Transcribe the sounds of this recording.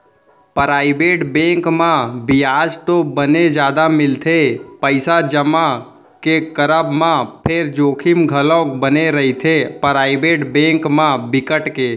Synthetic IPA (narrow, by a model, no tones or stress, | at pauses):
pəɾaːɪbeʈbẽŋkmãbɪjad͡ʒt̪obəned͡ʒaːd̪amɪlt̪ʰepəɪsad͡ʒəma | kekəɾəbmãpʰeɾd͡ʒoːkʰɪmɡʱəlõkbəneɾəɦit̪ʰepəɾaːɪbeʈbẽŋkmãbɪkəʈke